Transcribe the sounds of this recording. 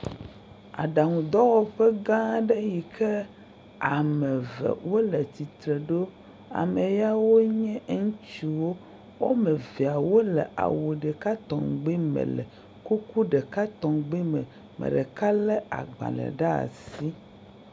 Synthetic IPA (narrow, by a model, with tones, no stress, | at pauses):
a̰˨ɖa˨ŋũ˨d̪ɔ˦wɔ˦ɸɛ˦ɡã˦ɖɛ˦ji˨kʰɛ˦ | a˨mɛ̃˨vɛ̰˨wo˦lɛ˨t͡ɕ̪i˨t̪ɾe˨ɖo˦ | a̰˨mẽ˨ja˦wo˦ɲɛ̃˦ŋũ˦t͡ɕi˨wo˦ | wo̰˦mɛ̃˨ve˨a˨wo˦lɛ˨ʔa̰˨wo˨ɖɛ˨ka˦t̪ɔ̃˨ŋɡ͡bi˦mɛ̰˨lɛ̰˨ | ku˦ku˦ɖɛ˨ka˦t̪ɔ˨ɡ͡bi˦mɛ˨ | mɛ̰̃˨ɖɛ˨ka˦lɛ˦a̰˨ɡ͡ba̰˨lɛ̰˨ɖa˦a̰˨si˦